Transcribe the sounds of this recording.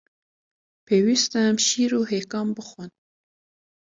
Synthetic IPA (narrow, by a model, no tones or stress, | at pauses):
pʰewist̪amʃiɾoɦekɑmbəxwan